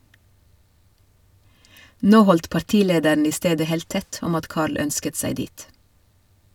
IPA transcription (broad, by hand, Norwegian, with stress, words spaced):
ˈnoː ˈhɔlt pɑɾˈtiːˌleːdəɳ ˈiː ˈsteːdə ˈheːlt ˈtɛt ˈɔm ˈɑt ˈkɑːɭ ˈœnskət ˈsæɪ ˈdiːt